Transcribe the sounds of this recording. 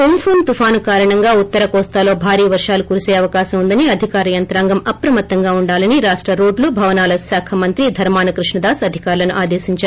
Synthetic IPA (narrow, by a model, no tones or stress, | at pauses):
kompʰoːnt̪ufʰaːnukaːɾɐɳɐŋɡaːut̪ːɐɾɐkɔːst̪aːlo̞ːbʱaːɾiːɐʋɐɾʂaːlukuɾuseːɐʋɐkaːsɐmund̪ɐniɐd̪ʱikaːɾɐjɐnt̪ɾaːŋɡɐmɐpɾɐmɐt̪ːɐŋɡaːuɳɖaːlɐniɾaːʂʈɾɐɾoːɖlubʱɐʋɐnaːlɐsaːkʰɐmɐnt̪ɾid̪ʱɐɾmaːnɐkɾuʂɳɐd̪aːsɐd̪ʱikaːɾlɐnuʔaːd̪eːʃiɲt͡ʃaːɾu